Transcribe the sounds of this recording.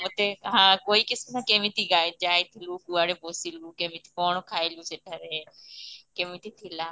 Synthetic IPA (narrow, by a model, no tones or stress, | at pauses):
mʊt̪eːɦãːkoːiːkɪsɪsãːkemit̪iːɡaːed͡ʒaːet̪ʰɪluːkuːaːɽeːboːsiːluːkemɪt̪ʰi̥kɔːɳ̃okʰaːiluːseːʈaɾeː | kemit̪ʰiːt̪ʰilaː